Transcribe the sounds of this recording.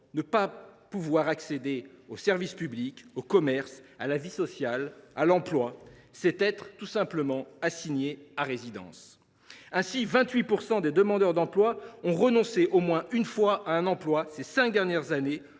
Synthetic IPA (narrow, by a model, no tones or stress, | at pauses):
nəpapuvwaʁaksed̪eosɛʁvispyblikokɔmɛʁsalavisɔsjalalɑ̃plwasɛt̪ɛt̪χt̪usɛ̃pləmɑ̃asiɲeaʁezid̪ɑ̰̃s | ɛ̃sivɛ̃t̪ɥipuʁsɑ̃d̪ed̪əmɑ̃d̪œʁd̪ɑ̃plwaɔ̃ʁənɔ̃seʔomwɛ̃ynfwaʔaɛ̃nɑ̃plwasesɛ̃k̚d̪ɛʁnjɛʁzane